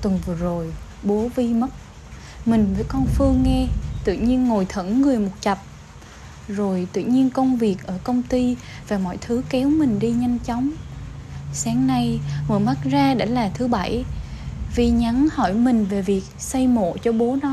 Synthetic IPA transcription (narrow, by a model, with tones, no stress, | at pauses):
t̪ɨ˨˩ŋvɨ˨˩əzo˨˩j | ɓo˨˦vi˧mə˦˥t̚ | mï˨˩ŋ̟vəː˨˦jkɔ˧nfɨ˧əŋːɛ˧t̪ɨ̰˧˨ɲi˧ənŋo˨˩jt̪ʰə˧˩ŋːɨ˨˩əjmʊ˨˩t̚t͡ɕə˨˩p̚ | zo˨˩jt̪ɨ̰˧˨ɲi˧ənkə˧wŋ͡mvi˨˩ək̚ʔəː˧˩kə˧wŋ͡mt̪i˧ | vaː˨˩mɔ̰˧˨jt̪ʰɨ˨˦kɛ˨˦wmï˨˩ŋ̟ɗi˧ɲa˧jŋ̟t͡ɕɔ˨˦wŋ͡m | saː˨˦ŋna˧jŋɨ˨˩əjma˦˥t̚zaː˧ɗa̰˧˩laː˨˩t̪ʰɨ˨˦ɓa˧˩j | vi˧˩ɲa˨˦nhɔ˧˩jmï˨˩ŋ̟ve˨˩vi˨˩ək̚sa˧jmo̰˧˨t͡ɕɔ˧ɓo˨˦nɔ˨˦